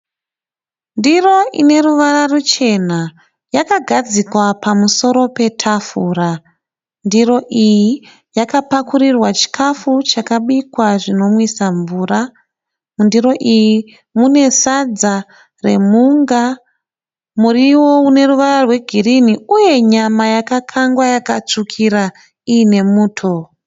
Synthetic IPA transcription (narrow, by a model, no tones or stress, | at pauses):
ndiro̞ʔḭne̞ruʋararut͡ʃe̞na | jakaɡʱad͡zikwapamuso̞ɾo̞pe̞tʰafuːra | ndiro̞ʔiji | jakapakuɾirwat͡ʃi̥kʰafut͡ʃakaɓikwaʐino̞mwisaɱvuːra | mundiro̞ʔiji | mune̞sad͡za | re̞muŋɡa | muriwo̞une̞ruʋararwe̞ɡʱiriniuje̞ɲamajakakʰaŋɡwajakat͡ʂukʰiɾa | iːne̞muːtʰo̞